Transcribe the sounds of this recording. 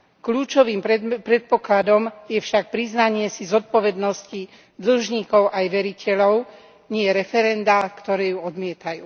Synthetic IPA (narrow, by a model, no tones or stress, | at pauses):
kluːt͡ʃɔʋiːmpɾɛt̪̚pɔklad̪ɔmjɛfʃak̚pɾiznaɲɪɛsizɔt̪̚pɔʋɛd̪nɔsci | d̪l̩ʒɲiːkɔʊʔajʋɛɾicɛlɔʊ | ɲɪɛɾɛfɛɾɛnd̪akt̪ɔɾɛːjuɔd̪mɪɛt̪ajṵː